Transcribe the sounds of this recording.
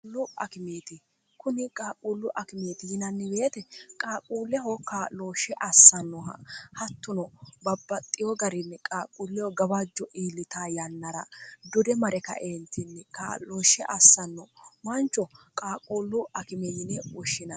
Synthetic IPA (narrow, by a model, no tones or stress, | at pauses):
lːʊɐkɪmeːt̪ɪ | kʊnɪkʼaːkʼuːlːʊʔɐkɪmeːt̪ɪjɪnɐnːɪbe̞ːt̪ɛkʼaːkʼuːlːɛɦɔkaloːʃɛʔɐsːɐnːɔhɐt̪ːʊnɔbɐbːɐt̪ʼːɪjɔɡɐɾɪnːɪkʼaːkʼulːɛjɔɡɐbad͡ʒːɔʔiːlːɪt̪aːjɐnːɐɾɐd̪ɔd̪ɛmɐɾɛkɐ̰ʔeːnt̪ɪnːɪka̰ːloːʃɛʔɐsːɐnːɔwɐnt͡ʃːɔkʼaːkʼuːlːʊɐkɪmɛjɪnɛwɔʃːɪnɐ